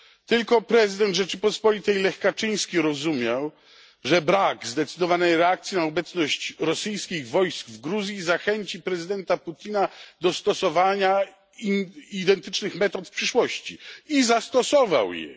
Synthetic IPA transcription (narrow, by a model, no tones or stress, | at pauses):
t̪ɘlkɔpɾɛzɨd̪ɛnt̪ʐɛt͡ʂɘpɔspɔlʲit̪ɛjlɛxkat͡ʂɘj̃skʲeɾɔzumʲjaw | ʐɛbɾaɡzd̪ɛt̪sɘd̪ɔvanɛjɾɛak̚t̪sʲjinaɔbɛt̪snɔɕt͡ɕɾɔsɘjskʲiɣvɔjskvɡɾuzʲjizaxɛɲt͡ɕipɾɛzɨd̪ɛnt̪aput̪ʲinad̪ɔst̪ɔsɔvaɲa | id̪ɛnt̪ɘt͡ʂnɘxmɛt̪ɔt̪fpʂɘʂwɔɕt͡ɕḭizast̪ɔsɔva̰wjɛ̰